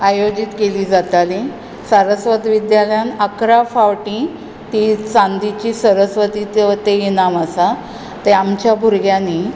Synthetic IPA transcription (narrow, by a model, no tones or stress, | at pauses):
ajod͡ʑit̪keliːd͡zat̪ali | səɾəsʋəd̪ʋid̪jaljanəkɾafawʈĩ | t̪it͡sãnd̪it͡ɕiːsəɾəsʋət̪it̪t̪eenaməsa | t̪eamt͡ɕjabʱuɾɡjani